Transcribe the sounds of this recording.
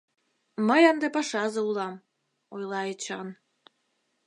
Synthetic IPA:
məjənd̪epɑʃɑzɤ̆ulɑm | ojlˠɑet͡ɕɑn

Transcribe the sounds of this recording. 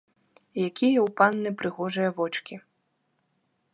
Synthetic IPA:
jakʲʰijɐwpanːɨpɾɨɣɔʐɨjɐvɔt͡ʂkʲi

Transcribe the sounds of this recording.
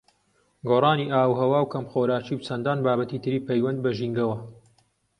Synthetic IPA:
ɡoːrˤɑːniːʔaːwɦɐwaːwkʰɐmxoːɾaːt͡ʃiːwt͡sʰɐnd̪aːnbaːbɐt̪iːt̪ʰɨɾiːpʰɐjwɐnd̪̚bɐʒiŋɡɐwɐ

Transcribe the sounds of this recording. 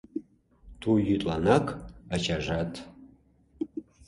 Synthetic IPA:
tʰujyt̪ʼlanakʰʼat͡ʃʰaʒatʰ

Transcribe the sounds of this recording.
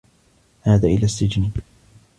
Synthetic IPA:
haːðaːʔɪlaːsːɪd͡ʒni

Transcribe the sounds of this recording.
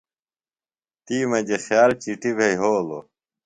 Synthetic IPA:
t̪iːmɐd͡ʑexjaːlt͡ɕiʈibʱeijɦoːlo̰

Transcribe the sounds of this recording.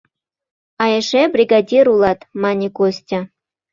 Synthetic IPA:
ɑjeʂebrʲiɡadʲiɾulˠɑt̪mɑnʲikosʲtʲa

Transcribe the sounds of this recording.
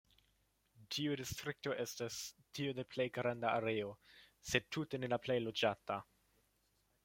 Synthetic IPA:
tiudistɾik̚to̞ʔestastʰiode̞plejɡɾandaaɾe̞ose̞d̚tʰːute̞ne̞laplejlo̞d͡ʒata

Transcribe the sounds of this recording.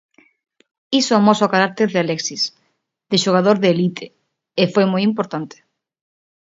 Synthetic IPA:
isoamɔsoɔkaɾak̚t̪eɾðealɛksis | ðɪʃoɣ̞aðoɾðeelit̪ʰe | efojmojimpoɾt̪ant̪ɪ̥

